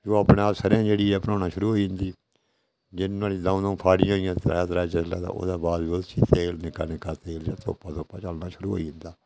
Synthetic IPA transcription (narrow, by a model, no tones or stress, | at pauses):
d͡ʒoːaːpnẽaːpsəɾãːd͡ʒeːɽiːɛːpəɾoːnaːʃʊɾuːɦoːiːɪ̃nd̪iː | d͡ʒɪnːãːliːd̪ãːũd̪ãũːpʰaːɽɪjãɦoɪjãːt̪ɾa̰ːt̪ɾaːt͡ʃəslãːd̪a̰ːʔo̰ːd̪aːbaːd̪oːt͡ʃiːt̪eːlnɪkaːnɪkːaːt̪eːld͡ʒaːt̪o̰ːpãːt̪oːpːãːt͡ʃəlnaːʃʊɾuːɦo̰ːiɪ̃nd̪aː